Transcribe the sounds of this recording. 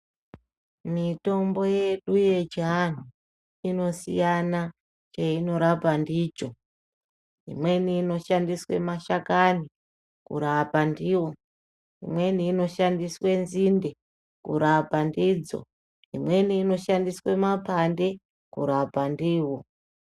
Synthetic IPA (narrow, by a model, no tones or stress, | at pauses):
mito̞mbo̞je̞ɗuje̞d͡ʒan̤u | ino̞sḭjana | t͡ʃaino̞ɾapandiːt͡ʃo̞ | ḭmwe̞niːno̞ʃandiswe̞̰maʃakani | kṵɾapandiwo̞ | ḭmwe̞niːno̞ʃandiswe̞nzinde̞ | kṵɾapandid͡zo̞̰ | ḭmwe̞niːno̞ʃandiswe̞mapande̞ | kṵɾapandiːwo̞